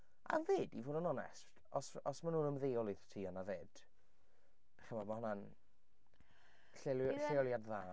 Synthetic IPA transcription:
a̰ðeːdivoːdənɔnɛ̰st | ɔsɔsmanuːnəmðejɔlˠiðtʰiːɔnaðeːd̥ | ɛχəmamahɔnan | ɬeɬejɔlˠjadðaː

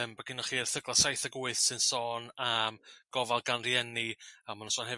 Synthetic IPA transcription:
əmbəɡɪnɔχiːər̥θəɡlˠasajθəɡuːɨθsɨnsɔːnamɡ̥ɔvalˠɡanrjɛniamanunsɔːnhɛ

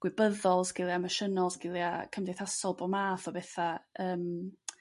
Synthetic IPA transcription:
ɡ̥wɪbəðɔlˠzɡ̥ɪlˠiaməʃənɔlˠzɡ̥ɪlˠiakʰəmdeθasɔlˠbɔmaːθɔbɛθaəːm

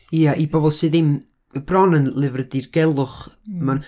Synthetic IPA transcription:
iaʔibɔbɔlˠsɨːðɪm | b̥rɔnənlˠɪvrədirɡ̥ɛlˠʊχəman

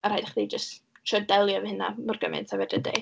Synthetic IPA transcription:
aɾhaːjdaχded͡ʒəst | ʃʰɔdɛlˠjɔvɛhɪna̰mɔrɡəmɛ̰ntʰavɛdəndḛj

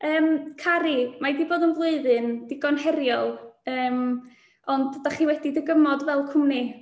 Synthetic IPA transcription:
əːmkʰaɾimadiboːðənvlˠʊɨðɨnd̥ɪɡɔnɦɛɾjɔlˠəːm | ɔndːaχiːwɛdidəɡəmɔdvɛlˠkʰʊmni

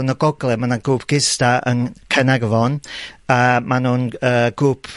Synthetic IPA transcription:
nɔɡɔɡlˠɛmanaɡuːpʰɡ̥ɪstaə̰nkʰɛnɛɡvɔnamanuːnəːɡ̥uːpʰ

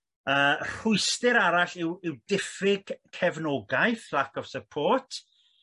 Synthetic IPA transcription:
əːr̥ʊɨstɪɾaɾaɬɪwɪwdɪfɪɡ̥kʰɛvnɔɡajθlakʰɔv̥səpʰoːtʰ

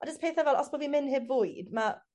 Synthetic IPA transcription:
ad͡ʒəspʰeːθɛvɛlˠʔɔsbʰɔblimɪnɦɪbvʊjdma

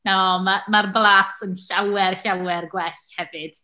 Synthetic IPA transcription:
nɔmamarblˠaːsənɬawɛrɬawɛrɡwɛɬhɛvɨd̥

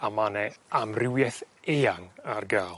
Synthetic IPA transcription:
amanɛamrɪwjɛθeːaŋarɡaːlˠ

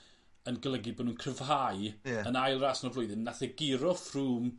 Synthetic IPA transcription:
ənɡəlˠəɡibɔːdnuːnkʰrəv̥ɦajənajlˠrasnɔvlʊɨðɪnnːaθɛɡɪɾɔfruːm

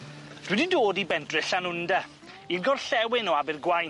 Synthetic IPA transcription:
ð̥wɪdɪndoːdibɛndrɨɬanʊnda | inɡɔrɬɛwɪnɔabɪrɡwaj

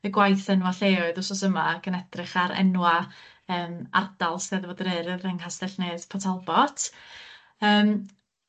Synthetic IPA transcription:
ɨɡwajθɛnwaɬeːʊðʊsɔsəmaɡ̥ənɛd̥rɪχaɾɛ̰nwa | əːma̰rdalˠsðeðəvodɾɨɾɨrɛŋhastɛɬneːð̥pʰɔtʰalˠbɔt | əːm

